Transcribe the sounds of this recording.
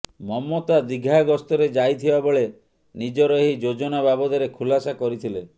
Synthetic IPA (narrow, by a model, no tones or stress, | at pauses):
mɔmɔt̪ad̪iɡʱaɡɔst̪ɔɾed͡ʒajt̪ʰibaboɭe | nid͡ʒɔɾɔɦid͡ʒod͡ʒɔnababɔd̪ɔɾekʰulasakɔɾit̪ʰile